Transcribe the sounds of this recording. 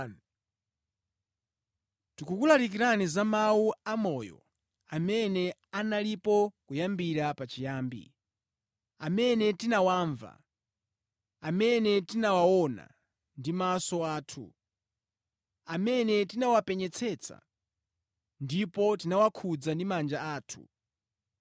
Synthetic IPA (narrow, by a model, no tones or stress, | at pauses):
tukukulaɾikiɾanizamawuamɔjɔ̰ | amɛnɛanalipɔkujambiɾapat͡ʃijaːmbḭ | amɛnɛtinawaːɱva̰ | amɛnɛtinawawɔna̰ | ndimasɔaːtʰṵ | amɛnɛtinawapɛɲɛt͡sʰɛt͡sʰa̰ | ndipɔtinawakʰud͡zandimand͡ʒaaːtʰu̥̰